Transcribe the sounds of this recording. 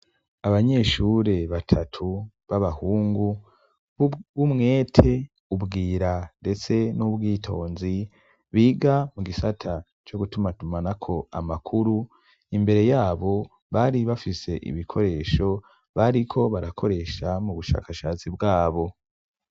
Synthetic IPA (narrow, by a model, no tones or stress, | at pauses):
aβaɲe̞ʃuɾe̞βatʰatʰu | βaβahuːŋɡu | βumŋe̞ːtʰe̞ | ubɡiːɾande̞t͡se̞nuβɡiːtʰo̞ːnzi | βiːɡamuɡisatʰa | t͡ʃo̞ɡutumatumanakʰo̞a̰makʰuɾu | imbe̞ɾe̞jaːβo̞ | βaɾiβafise̞ʔḭβikʰo̞ɾe̞ːʃo̞ | βaɾikʰo̞βaɾakʰo̞ɾe̞ʃamuβuʃa̰ːkaʃat͡sibɡaːβo̞